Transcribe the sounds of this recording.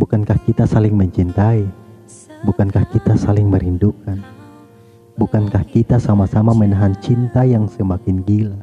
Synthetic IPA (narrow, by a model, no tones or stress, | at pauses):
bukankahkit̪asalɪŋməɲt͡ʃint̪ai | bukankahkit̪asalɪŋməɾindukan | bukankahkit̪asamasamamənaɦant͡ʃint̪ajaŋsəmakɪnɡila